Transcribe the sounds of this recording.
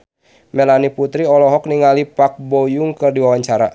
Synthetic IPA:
mɛlaniput̪ɾiɔlɔɦɔk̚niŋalipak̚bojuŋkərdiwawaɲt͡ʃaɾa̰

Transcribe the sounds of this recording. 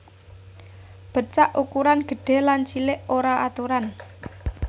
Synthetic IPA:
b̥ə̤t͡ʃaʔukuɾanɡ̥ə̤ɖ̥e̤lant͡ʃilɪʔoɾaʔat̪uɾan

